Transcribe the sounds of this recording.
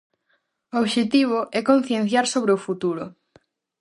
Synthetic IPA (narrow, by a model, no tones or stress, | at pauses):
ooβʃet̪iβ̞oʔɛkon̟θjen̟θjaɾsoβɾeofut̪uɾʊ